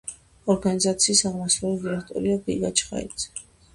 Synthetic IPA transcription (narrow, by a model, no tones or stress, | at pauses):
ɔɾɡanizat̪sʰiːsaʁmasɾɛd̪iɾɛkʰt̪ʼɔ̰ɾiɔbiɡat͡ʃʰχa̰ḭd̪z̥ɛ̥